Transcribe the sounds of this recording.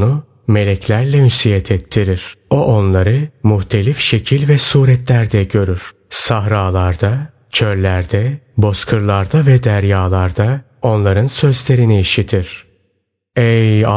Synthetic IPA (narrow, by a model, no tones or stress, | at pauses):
nʊ | me̞lʲɛcʰlʲæɾlʲɛmysijɛt̪ʰɛt̪ʰːiɾiɾ̥o̞ʔo̞nlˠaɾɯmyçt̪ʰe̞lʲifʃe̞cʰilʲvɛsuːɾɛt̪lʲæɾd̪ɛɟø̞ɾyɾ̥ | saɦɾaːlˠaɾd̪a | t͡ʃʰø̞ɾlʲæɾd̪ɛbo̞skʰɯɾlˠaɾd̪avɛd̪æɾjaːlˠaɾd̪a | o̞nlˠaɾɯnsø̞zlʲe̞ɾiniːʃit̪ʰiɾ̥ | ɛja